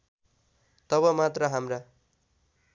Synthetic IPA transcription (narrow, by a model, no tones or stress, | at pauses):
t̪ʌβʌmat̪rʌɦamra